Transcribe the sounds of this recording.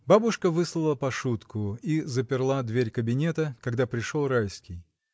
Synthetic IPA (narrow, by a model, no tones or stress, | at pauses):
babʊʂkəvɨslˠəlˠəpɐʂut̪kʊizəpʲɪrlˠad̪vʲeɾʲkəbʲɪnʲet̪əkɐɡd̪apɾʲɪʂolˠrajʲskʲɪj